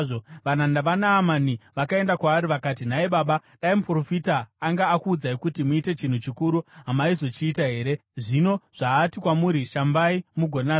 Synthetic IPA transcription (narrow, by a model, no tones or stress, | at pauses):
oʋanandaʋanaːmaniʋakae̞ndakwaːɾiʋakaːtin̤aiɓaːɓaɗaimupro̞fitaːŋɡaːkuːd͡zaikutimuite̞t͡ʃin̤ut͡ʃikuɾuɦamaizo̞t͡ʃiːtaɦe̞ːɾe̞ʐino̞ʐ̥aːtikwamuːɾiʃambaimuɡʱona